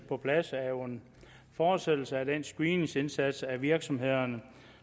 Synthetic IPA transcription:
pʰɒ̽pʰlæsæoen | fɒ̥ːsed̥l̩səæd̥ensɡ̥ʁiːnŋse̝nsæd̥sæʋiɐɡ̥sɒ̽mɦe̝ð̞̰ˠɐnə

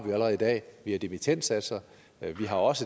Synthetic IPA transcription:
ʋiæləɐʁɛð̞̩ˠidɛ̰ːʋiæd̥emit͡sʰen̰d̥sæd̥sɐ | ʋiɦɑ̈ɒ̽sə

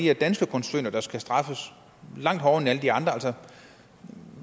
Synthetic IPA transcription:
iæd̥ænsɡ̥əkʰɔnsø̰nɐd̥ɑ̈sɡ̥æsd̥ʁɑ̈fəs | lɑ̈ŋ̰d̥ɦhɒʊenæləd̥iɑ̈nd̥ʁɐælsɒ

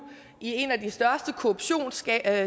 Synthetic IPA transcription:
ʔie̝næd̥isd̥ɶɐsd̥əkʰo̝ob̥ɕo̝̰ːns

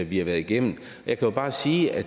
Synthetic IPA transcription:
æʋihɑ̈ʋæːɐðˠiɡ̥em̰n̩ | ɒjɑ̈ɪkʰæjo̝b̥ɑ̈ːsiːæ̥

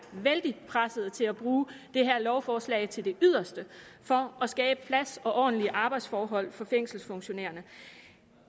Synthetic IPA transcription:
ʋeld̥ipʰʁasəð̩ˠt͡sʰe̝læb̥ʁuːd̥e̝ɦæɐ̰lɒʊfɒːslɛ̰ɪt͡sʰe̝ld̥e̝ʔyð̞̰ˠɐsd̥əfɒ̽ʔɒ̽sɡ̥ɛːb̥əpʰlæsɒ̽ʔɒ̰̥ːn̩liəʔɑ̈b̥ɑ̈ɪd̥sfɒːɦɒ̽l̰fɒ̽feŋ̰sl̩sfɔ̽ŋɕo̝nḛːɐnə

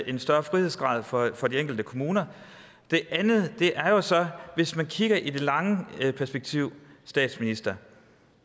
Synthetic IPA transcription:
ʔe̝nsd̥ɶːɐfʁihe̝ðˠsɡ̥ʁɑ̰̈ːð̰ˠfɒ̽fɒ̽dieŋɡ̥l̩d̥əkʰo̝muːnɐ | d̥e̝ʔænð̩ˠd̥e̝ʔæɐjo̝sɒ̽ʋe̝smænkʰiɡ̥ɐʔid̥e̝lɑ̈ŋəpʰæɐsb̥eɡ̥̚t͡sʰiʊ̰sd̥ɛ̰ːd̥sminisd̥ɐ

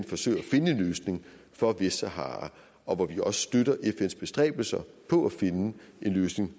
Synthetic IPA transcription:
nfɒ̽sø̰ɪ̰ɐæfe̝nəe̝nløːsne̝ŋ | fɒ̽ʋe̝səɦɑ̰̈ | ɒ̽ʋɒʋiɒ̽sə̥sd̥øɾɐʔefen̰sb̥e̝sd̥ʁɛ̰ːb̥l̩sɐpʰɒ̽æfe̝nəe̝nløːsne̝ŋ

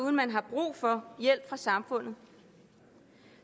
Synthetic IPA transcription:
uðˠnmænɦɑ̈b̥ʁṵːfɒ̽jel̰b̥fʁɑ̈sɑ̈mfɔ̽n̰ð̩ˠ

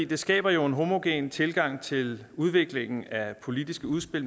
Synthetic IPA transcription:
ḭːd̥e̝sɡ̥ɛ̰ːb̥ɐjo̝e̝nɦo̝mo̝ɡ̥ḛːnt͡sʰe̝lɡ̥ɑ̈ŋ̰t͡sʰe̝l | uð̞ˠʋe̝ɡ̥le̝ŋ̰n̩æpʰo̝lid̥isɡ̥əuð̞ˠsb̥e̝l

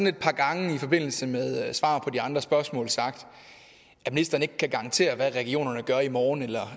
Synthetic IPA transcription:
ɒne̝d̥̚pʰɑ̈ːɡ̥ɑ̈ŋəifɒ̽b̥e̝n̰l̩səmeðˠsʋɑ̰̈ːpʰɒ̽diɑ̈nd̥ʁɐsb̥ɶɐsmɔ̰̽ːlsɑ̈ɡ̥d̥ | æminisd̥ɐːne̝ɡ̥̚kʰæɡ̥ɑ̈ɑnt͡sʰe̝̰ːɐʋæʁɛɡ̥io̝̰ːnɐnəɡ̥ɶɐimɒːnelɐ

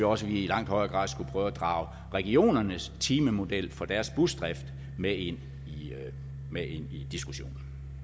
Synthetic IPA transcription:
ɒ̽səʋiilɑ̈ŋ̰d̥hɒ̽ɪɐːɡ̥ʁɑ̰̈ːð̰ˠsɡ̥upʰʁœːʊæd̥ʁɑ̈ːʊ | ʁɛɡ̥io̝̰ːnɐnəst͡sʰiːməmo̝d̥el̰fɒ̽d̥æɐsb̥usd̥ʁɛfd̥ | mee̝n̰ | i | mee̝n̰id̥isɡ̥uɕo̝̰ːnn̩

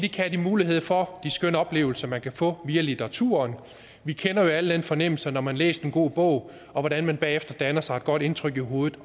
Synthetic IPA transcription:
d̥ikʰæd̥imuːliɦe̝ð̞̰ˠfɒ̽d̥isɡ̥ønəɒ̽b̥le̝̰ːʊl̩sɐmænkʰæfɔ̰̽ːʋiælit͡sʰeʁɑ̈t͡sʰṵːɐːn | ʋikʰenɐjo̝æləd̥enfɒ̽nem̰l̩sɐnɒmænlḛːsd̥enɡ̥o̝̰ːb̥ɔ̽ʊ̰ | ɒ̽ʋɒɾ̥ænmænb̥ɛ̰ːefd̥ɐd̥ænɐsɑ̈ɪe̝d̥ɡ̥ɒ̽d̥e̝nt͡sʰʁœɡ̥iɦo̝ːð̩ˠ

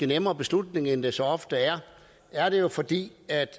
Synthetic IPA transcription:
ənemɐːb̥e̝slud̥ne̝ŋend̥e̝sɒ̽ɒ̽fd̥əæɐ | æɐɾe̝jo̝fɒ̽d̥ḭːæd̥

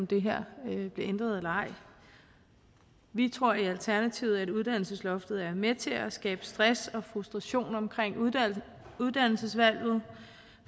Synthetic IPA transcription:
md̥e̝ɦeɐ̰b̥le̝end̥ʁɐðˠelɐɑ̈ɪ̰ | ʋit͡sʰʁo̝ɐ̰iælt͡sʰæɐnæt͡sʰiʊð̩ˠæɾuð̞ˠd̥æn̰l̩səslɒ̽fd̥ð̩ˠæɐmet͡sʰe̝æsɡ̥ɛ̰ːb̥ə̥sd̥ʁasɒ̽fʁusd̥ʁɑ̈ɕo̝̰ːnɒ̽mkʰʁeŋ̰ | uð̞ˠd̥æn̰l̩səsʋæl̰ð̞̩ˠ

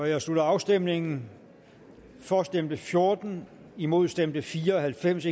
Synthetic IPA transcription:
ɒjäɪslud̥ɐɑ̈ʊsd̥em̰ne̝ŋn̩ | fɒsd̥em̰d̥əfjo̝ɐd̥n̩ | imo̝ð̰ˠsd̥em̰d̥əfiːɐɒhælfem̰se

